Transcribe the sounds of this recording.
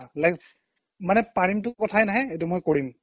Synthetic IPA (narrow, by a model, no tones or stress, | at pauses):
lajk | manɛpaɹimtʊkɔtʰajnaɦɛet̬ʊmojkoɹim